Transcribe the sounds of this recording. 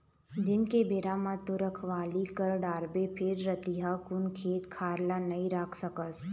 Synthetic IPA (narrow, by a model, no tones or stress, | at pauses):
d̪ɪnkebeːɾamãt̪oɾəkʰʋaːlikəɾɖaːɾbepʰɪɾːət̪iɦakʊnkʰeːt̪kʰaːɾlanɐĩɾaːkʰsəkəs